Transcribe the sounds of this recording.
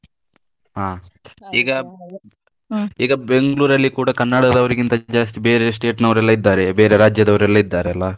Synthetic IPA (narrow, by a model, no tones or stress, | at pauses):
ɦaːiːɡɐ | iːɡɐbe̞ŋɡɐɭuːɾɐlːikuːɽɐkɐnːaɽɐd̪ɐʋɐɾiɡint̪ɐd͡ʒaːst̪ibe̞ːɾesʈe̞ːʈnɐʋɐɾɛlːɐid̪ːaːɾebe̞ːɾe̞ɾaːd͡ʒjɐd̪ɐʋɐɾɛlːɐid̪ːaːɾeɐlːɐ